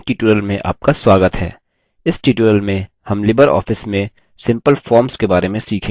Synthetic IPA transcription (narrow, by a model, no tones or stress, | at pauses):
ʈiːʈuɾəlmẽʔa̰ːp̚kaswaːɡət̪ɦɛ̰ː | ɪsʈiʈuɾəlmẽ | hɐmlɪbəɾɔ̰ːfɪsmẽ | sɪ̃mpəlfɔːɾmskebaːɾemẽsiːkʰẽː